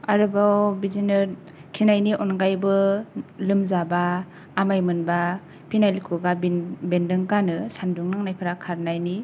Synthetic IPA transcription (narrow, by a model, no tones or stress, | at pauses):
aɾɯbawbizinɯɾ | kʰinajniʔɔnɡajbɯlɯmzabaː | majmɯnba | pinajlkʰɯɡabendɯŋɡanɯsanduŋnaŋnajpʰaɾakʰaɾnajni